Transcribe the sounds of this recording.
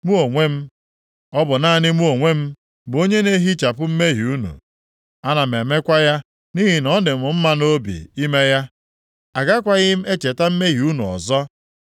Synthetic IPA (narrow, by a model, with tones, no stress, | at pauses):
mu˦o˨ŋʷe˦m̩˦ | ɔ˦bʊ˨na˦˨nɪ˦mu˦o˨ŋʷe˦m̩˦ | bo˦ɲe˦ne˦ɦi˦t͡ʃa˨pʊ˦m̩˦me˦ɦi˨u˦nṵ˨ | a˦na˨m̩e˨me˦kʷa˦ja˦ | ni˦ɦi˨nɔ˦nɪ˨mʊ˨m̩˦ma˦no˦bḭ˨i˦me˦ja˦ | a˨ɡa˦kʷa˦ɣɪ˦m̩˦e˦t͡ʃe˨ta˦m̩˦me˦ɦi˨u˦nu˨ɔ̰˨zɔ˦